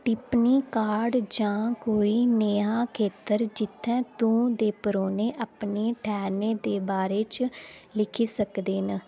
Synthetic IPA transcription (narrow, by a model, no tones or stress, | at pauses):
ʈɪpniːkaːɖd͡ʒãːkoːiːneːaːkʰeːt̪əɾd͡ʒɪt̪ʰːɛ̃ːt̪ũːd̪eːpəɾoːneːʔapneːʈʰɛːneːd̪eːbaːɾeːt͡ʃlɪkʰiːsəkd̪eːn